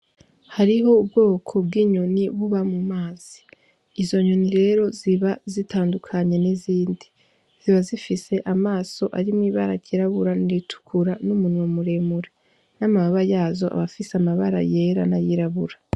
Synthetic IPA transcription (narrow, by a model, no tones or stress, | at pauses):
haɾiɦo̞ubɡo̞ːkʰo̞b̚ɡiːɲoniβuβamumaːz̥i̥ː | zo̞ɲoniɾe̞ɾo̞ziβazitʰaːndukʰaɲe̞niziːndi | z̥iβazifise̞ʔamaːso̞ʔaɾimŋiβa̰ɾaɟiɾaβuɾaniɾitʰu̥kʰuɾanumunwomuɾe̞muɾe | namamaβajaːzo̞ʔa̰βafiseamaβaɾa̰je̞ɾa̰najiɾaβuɾa